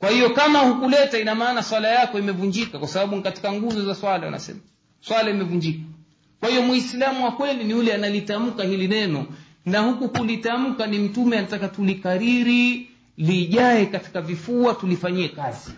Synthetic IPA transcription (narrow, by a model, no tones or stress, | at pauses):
kwahijɔkamahukulɛtainamaːnaswalajakɔimɛvuɲd͡ʒikakwasaɓaɓunikati̥kaŋɡuzɔzaswalawa̰na̰sɛ̰ma | swalaimɛvuɲd͡ʒikḁ | kwahijɔmwislamuwakwɛliniulɛanalitam̩kahilinɛnɔ | nahukukulitam̩kanim̩tumɛanatakatulikaɾiɾi | liʄaɛkati̥kavifuatulifaɲiɛkazi